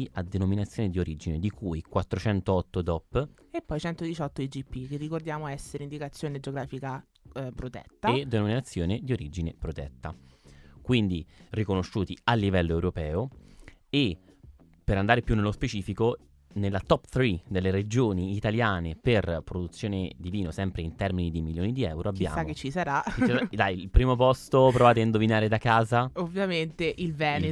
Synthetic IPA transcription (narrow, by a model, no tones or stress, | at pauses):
iad̪enominat̪sːjoːned̪ioɾid͡ʒined̪ikʰujkwat̪ːɾot͡ʃɛnt̪oɔt̪ːod̪ɔpː | epːɔjt͡ʃɛnt̪od̪it͡ʃɔt̪ːoid͡ʒipːik̟erːikord̪jaːmoɛsːeɾind̪ikat̪sːjoːned͡ʒeoɡɾaːfika | pɾot̪ɛ̰t̪ːaed̪ːenominat̪sːjoːned̪ioɾid͡ʒinepɾot̪ɛ̰t̪ːakwind̪irikonoʃːuːt̪ialːivɛlːoewɾopɛːo | e | pːeɾand̪aːɾepjunːelːospet͡ʃiːfiko | nelːat̪ɔpt̪ɾid̪elːeɾed͡ʒoːniːt̪aljaːneperpɾod̪ut̪sːjoːned̪iviːnosɛmpɾeint̪ɛrminid̪imiljoːnid̪iɛ̰wɾoabbːja̰ːamkːet͡ʃːisaɾaad̪ajiilpɾiːmop̬ɔst̪opɾovaːt̪̬eind̪ovinaːɾed̪akaːzaovjament̪eʔilvɛːne